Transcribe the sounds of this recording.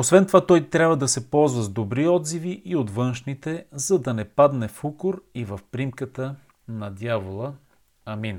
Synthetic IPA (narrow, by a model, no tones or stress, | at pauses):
osvɛnt̪ovat̪ɔjt̪ɾʲabvəd̪ɐsɛpɔlˠzvəzd̪obɾiɔd̪ziviʔiot̪vɤnʃnit̪ɛzɐd̪ɐnɛpad̪nɛfukʊɾivɐfpɾimkət̪ə | nɐd̪javolˠə | ɐmin